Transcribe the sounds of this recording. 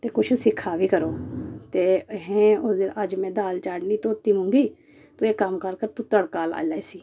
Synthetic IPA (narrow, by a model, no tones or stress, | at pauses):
t̪eːkʊt͡ʃʰsɪkʰːaːʋiːkəɾoːt̪eːɦɛ̃ːoəd͡ʒmɛ̃ːd̪aːlt͡ʃaːɽniːt̪õːt̪ːiːmʊ̃ːŋɡiː | t̪õːeːkəmkəɾkəɾt̪uːt̪əɽkaːla̰ːlaːsiː